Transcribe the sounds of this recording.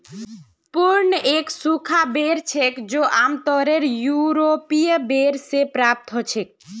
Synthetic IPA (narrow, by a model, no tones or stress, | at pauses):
pʊɾnəʔeksukʰabeɾt͡ʃʰekd͡ʒoʔamt̪ɔɾeɾjuɾopijəbeɾsepɾap̚t̪ɦɔt͡ʃʰek̚